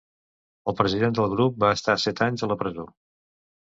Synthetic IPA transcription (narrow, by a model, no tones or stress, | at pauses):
əlˠpɾəziðend̪əlˠɣɾup̚baəst̪asɛt̪aɲzələpɾəzo